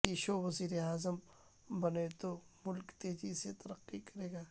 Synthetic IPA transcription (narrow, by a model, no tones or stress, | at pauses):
iʃoːʋɐziːɾeaːzəm | bɐnet̪omʊlkt̪eːd͡ʒiset̪ɐɾəqːikɐɾeːɡaː